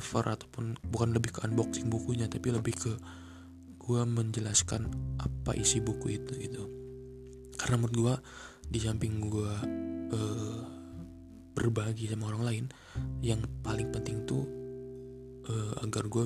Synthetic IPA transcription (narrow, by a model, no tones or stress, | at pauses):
fə̰rʔat̪apʊnbukanləbɪhkəʔanbɔksɪŋbukuɲat̪apiləbɪhkə | ɡ̥uaməɲd͡ʒəlaskanʔapa̰ʔisibukuit̪uɡit̪u | kaɾənamut̪̚ɡuadit͡ʃampɪŋɡuaəː | b̥ərbaɡisamaoɾaŋlaɪn | jaŋpalɪŋpənt̪ɪŋt̪u | ʔəːa̰ɡarɡua